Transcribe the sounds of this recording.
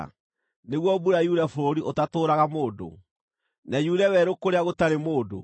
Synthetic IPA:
neɣwɔbuɾajuɾafoɾoɾiʔotatoːɾaɣamoːdo̰ | najuɾɛwɛɾokoɾeaɣotaɾemoːdo̰

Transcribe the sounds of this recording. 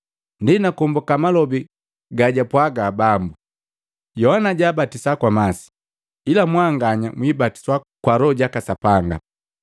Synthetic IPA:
ndɛnakɔmbɔkamalɔbi | ɡaɟapwaɡaːbambu | jɔhanaɟaːbatisakwamasi̥ | ilamwaŋɡaɲamwibati̥swakwaɾɔɟakasapaŋɡa̰

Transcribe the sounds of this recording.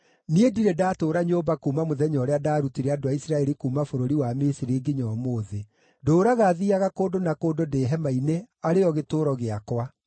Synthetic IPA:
niediɾedaːtoːɾaɲobakuːmamoðɛɲɔɾeadaːɾutiɾeadoaisɾaɛɾikuːmafoɾoɾiwamesiɾeɡeɲɔmoːðe | doːɾaɣaðiaɣakoːdonakoːdodeːɦɛmaineaɾeɔɣetoːɾɔɣeakwa

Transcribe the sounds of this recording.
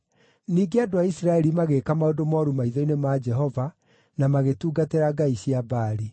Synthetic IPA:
niːɡeadoaisɾaɛɾimaɣekamaodomɔɾumaiðɔinemad͡ʒɛɦɔva | namaɣetuːɡateɾaɡaiɕiabaːɾi

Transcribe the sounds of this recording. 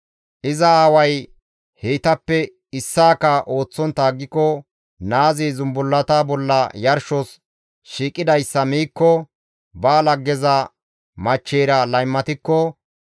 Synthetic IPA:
ʔɪzɐaːwɐj | heːt̪ɐpːɛ | ɪsːaːkɐʔo̞ːt͡sːɔnt̪aːɡːɪkːɔ | naːzizʊmbʊlːɐt̪ɐbɔlːɐjɐɾʃɔs | ʃiːkʼːɪd̪ɐjsːɐmiːkːɔ | baːlɐɡːɛzɐ | mɐt͡ʃːeːɾɐlɐjmːɐt̪ɪkːɔ

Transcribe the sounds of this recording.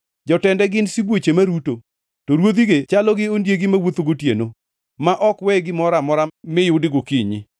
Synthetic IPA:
d͡ʒɔtɛndɛɡɪnsibwot͡ʃemaɾuto | toɾwod̪iɡet͡ʃalɔɡɪondjeɡɪmawot̪oɡotjḛno | maʔɔkwɛɡɪmɔɾamɔɾamɪjʊdɪɡokiɲḭ

